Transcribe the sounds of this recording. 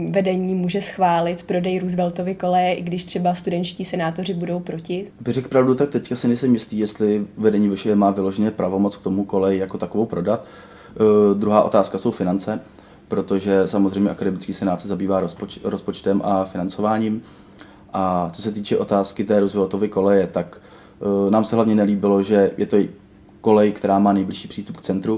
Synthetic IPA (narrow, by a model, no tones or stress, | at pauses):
vɛdɛɲiːmuːʒɛsxvaːlɪt̪pɾo̞dɛjɾuzvɛlt̪ovɪko̞lɛjɛʔɪɡdɪʃt̪r̥ɛbast̪udɛɲt͡ʃciːsɛnaːt̪or̝ɪbudo̞wpɾocɪbɪrɛkpɾavdut̪ak̚t̪ɛckasɪnɛjsɛmjɪst̪liːjɛst̪lɪvɛdɛɲiːvɛʃɛɛmaːvɪloʒɛɲɛpɾʔavo̞mot͡sk̚t̪o̞muko̞lɛjɪjakot̪akovowpɾo̞dat̪ | d̪ɾuɦaːʔo̞t̪aːskaso̞wfɪnant͡sɛ | pɾo̞t̪o̞ʒɛsamozrɛjmɲɛʔakadɛmɪt͡skiːsɛnaːt̪sɛzabiːvaːɾospot͡ʃɾospo̞t͡ʃt̪ɛmʔafɪnant͡so̞vaːɲiːm | ʔat͡so̞sɛt̪̬iːt͡ʃɛʔo̞t̪aːskɪt̪ɛːɾuzvoot̪ovɪko̞lɛjɛt̪ak | naːmsɛɦlavɲɛnɛliːbɪlo̞ʒɛjʔɛt̪o | ko̞lɛjkt̪ɛɾaːmaːnɛjblɪʃi̥ːpr̥iːst̪upk̚t͡sɛnt̪ɾu